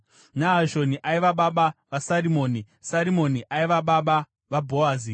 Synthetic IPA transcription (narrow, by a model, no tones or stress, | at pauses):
naɦaʒo̞niʔaiʋaɓaɓaʋasarimo̞ːni | saɾimo̞niʔaiʋaɓaɓa | ʋabʱoaːzi